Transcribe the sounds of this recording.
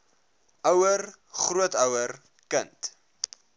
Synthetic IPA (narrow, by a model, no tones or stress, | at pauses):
ʔœwər | χruətœwər | kənt